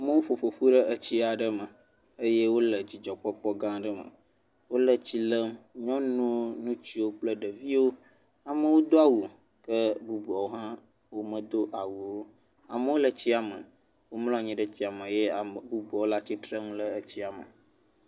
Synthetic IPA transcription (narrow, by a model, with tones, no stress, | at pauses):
a˨mə˦wo˦fo˨ɸo˨ɸu˦ɖə˦ʔə˨t͡ɕi˦a˨ɖə˦mə˨ | ə˦je˦wo˦lə˨d͡ʑi˨d͡ʒɔ˨k͡pɔ˦k͡pɔ˦ɡã˦ɖə˦mə̰̃˨ | wo˦lə˦t͡ɕi˦lə˦mɲɔ̃˦nũ˦nũ˦t͡ɕi˦wo˦k͡plə˦ɖə˨vi˦wo˦ | a˨mə̃˦wo˦d̪o˦a˦wu˨ | kə˦bu˦bu˨a˨wo˦ɦã˦ | wo˦mə̃˦d̪o˦ʔa˨wu˨wo˦ | a̰˨mə̃˦wo˦lə˨t͡ɕi˦a˨mə̰˨ | wo˦ml̃ɔ̃˦˨ɲĩ˦ɖə˦t̪i˦a˨mə̃˨jɛ˦a˨mə˨bu˦bu˨a˨wo˦la˦t͡ɕi˦t̪ɾə˦m̃˦lə˦ə˨t͡ɕi˦a˨mə̰˨